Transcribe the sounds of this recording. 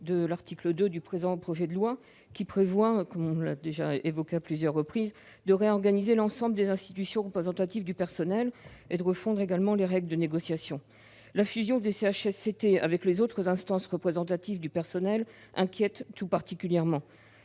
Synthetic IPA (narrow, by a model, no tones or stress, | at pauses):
d̪əlaʁt̪ʰikləd̪ød̪ypχezɑ̃pχɔʒɛd̪əlwa | kʲipχevwakɔmɔ̃la̰d̪eʒaevɔkʲeaplyzjœʁːəpχiz | d̪əʁeɔʁɡanizelɑ̃sɑ̃bləd̪ezɛ̃st̪it̪ysjɔ̃ʁəpχezɑ̃t̪at̪ivd̪ypɛʁsɔnɛled̪əʁəfɔ̃d̪ʁeɡalmɑ̃leʁɛɡləd̪əneɡɔsjasjɔ̃ | lafyzjɔ̃d̪eseaʃɛsːet̪ea̰vɛklezot̪χəzɛ̃st̪ɑ̃sʁəpχezɑ̃t̪at̪ivd̪ypɛʁsɔnɛl | ʔɛ̰̃kʲjɛt̪ːupaʁt̪ikʲyljɛʁmɑ̃